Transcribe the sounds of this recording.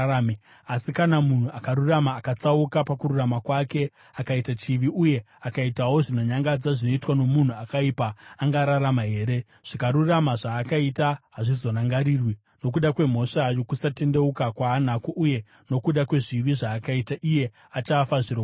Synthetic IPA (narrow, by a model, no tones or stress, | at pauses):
m | asikanamun̤uakaɾuramaːkat͡saukapakuɾuramakwake̞ | akaitat͡ʃiʋiʔuje̞ | akaitawo̞ʐino̞ɲaŋɡad͡zaʐino̞itwano̞mun̤uakaipaːŋɡaɾaɾamaɦe̞ːɾe | ʐ̥ikaɾuramaʐaːkaitaɦaʐizo̞naŋɡaɾiːrwi | no̞k̬uɗakwe̞m̤o̞ʂajo̞kusate̞nde̞ukakwaːn̤akuʔuje̞ | no̞kuɗakwe̞ʐiʋiʐaːkaitaʔije̞ | at͡ʃaːfaʐiro